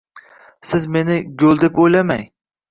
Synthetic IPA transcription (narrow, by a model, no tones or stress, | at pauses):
sɪzme̞nɪɡolˠd̪epojlamaj